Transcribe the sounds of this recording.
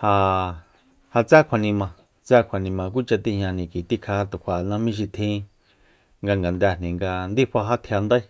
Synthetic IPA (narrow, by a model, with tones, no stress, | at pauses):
ha˧ | ha˧t͡sa˦kʷʰa˨nĩ˧mã˧˨ | t͡sa˦kʷʰa˨nĩ˧mã˧k̬ʷi˦t͡ʃa˧t̪i˦ɲɲã˧nĩ˨ki˨t̪i˦kʰa˧t̪u˨kʷʰa˨nã˧mĩ˦ʃ̬i˧t̪ʰĩ˦ | ŋɡa˧ŋɡa˨nd̪æ˧nĩ˨ŋɡa˧nd̪i˦ɸa˧ɦa˦t̪ʰja˧nd̪ə˦